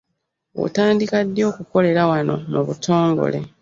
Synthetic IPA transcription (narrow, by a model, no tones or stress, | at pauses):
o̰taːndikadːjo̞ːkuko̞le̞ɾawano̞̰muβutʰo̞ːŋɡo̰le̞̰